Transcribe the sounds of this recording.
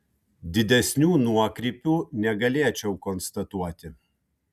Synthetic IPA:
d̪ʲɪd̪ʲɛsʲnʲuːnuɔkɾʲiːpʲuːnʲɛɡɐlʲeɛt͡ʃʲɛʊkɔnst̪ɐt̪uɔt̪ʲɪ

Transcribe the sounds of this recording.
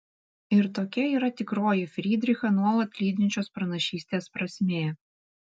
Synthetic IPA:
ɪɾt̪oːkʲɛiːɾɐt̪ʲɪkɾoːjɪfʲɾʲiːd̪ʲɾʲɪxɐnuɔlˠɐt̪ʲlʲiːd̪ʲnʲɪt͡ʃʲoːspɾɐnɐʃʲiːsʲt̪ʲeːspɾɐsʲmʲeːjɛ

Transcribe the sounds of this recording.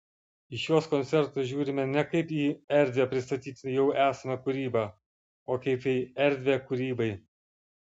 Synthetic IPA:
ɪʃʲjoːskɔnt̪ʲɛɾt̪oːʒʲuːɾʲɪmʲɛnʲɛkɐɪpiːɛɾʲd̪ʲʋʲeːpʲɾʲɪst̪ɐt̪ʲiːt̪ʲjɛʊæːsɐmɐkʊɾʲiːbɑː | oːkɐɪpiːɛɾʲd̪ʲʋʲekʊɾʲiːbɐɪ

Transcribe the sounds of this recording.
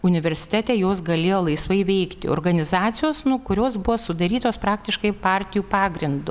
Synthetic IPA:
ʊnʲɪʋʲɛɾʲsʲɪ̥t̪ʲæːt̪ʲɛːjoːsɡɐlʲeːjoːlˠɐɪsʋɐɪʋʲɛɪkt̪ʲɪ̰o̰rɡɐnʲɪzɑːt̪sʲɪjoːsnʊkʊɾʲoːsbʊʋoːsʊd̪ɐɾʲiːt̪oːspɾɑːkt̪ʲɪʃkɐɪpɑɾʲt̪ʲɪjuːpɑːɡɾʲɪnd̪ʊ

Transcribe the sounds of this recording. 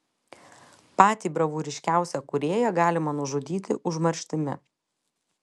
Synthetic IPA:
pɑːt̪ʲiːbɾɐʋuːɾʲɪʃʲkʲæˑʊsʲɛkʊɾʲeːjɛɡɑːlʲɪmɐnʊʒʊd̪ʲiːt̪ʲɪ̰ʔʊʒmɐɾʲʃʲt̪ʲɪmʲɪ̰

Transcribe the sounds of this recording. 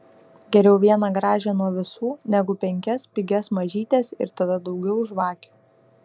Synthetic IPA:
ɡʲɛɾʲɛʊʋʲiɛnɐɡɾɑːʒʲɛnuɔʋʲɪsuːnʲɛɡʊpʲɛŋʲkʲɛspʲɪɡʲɛsmɐʒʲiːt̪ʲeːsɪ̰ɾt̪ɐd̪ɐd̪ɒʊɡʲɛʊʒʋɑːkʲʊ̥

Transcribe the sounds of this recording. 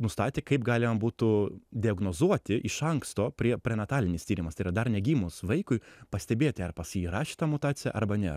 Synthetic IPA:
nʊst̪ɑːt̪ʲekɐɪpɡɑːlʲɪmɐbuːt̪ʊd̪ʲɪɐɡnoːzuɔt̪ʲɪʔɪʃɐŋkst̪oːpʲɾʲiɛpʲɾʲɛnɐt̪ɑːlʲɪnʲɪst̪ʲiːɾʲɪmɐst̪ɐɪiɾɐd̪ɐrnʲɛɡʲiːmʊsʋɐɪkʊɪpɐsʲt̪ʲɛbʲeːt̪ʲɪɐrpɐsiɾɑːʃʲɪ̥t̪ɐmʊt̪ɑːsʲɪjɛ̰ʔɐɾbɐnʲɛ

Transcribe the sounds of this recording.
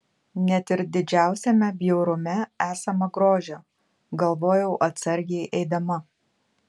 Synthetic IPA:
nʲɛt̪ɪɾd̪ʲɪd͡ʒʲæˑʊsʲɛmʲɛbʲjɛʊɾʊmʲɛæːsɐmɐɡɾoːʒʲo | ɡɐlˠʋoːjɛʊʔɐt̪sɐɾʲɡʲɛɪʔɛɪd̪ɐmɐ

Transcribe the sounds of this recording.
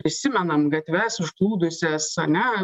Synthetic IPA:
pʲɾʲɪsʲɪmʲɛnɐmɡɐt̪ʲʋʲæːsɪʃklˠuːd̪ʊsʲæːsɐnʲɛ

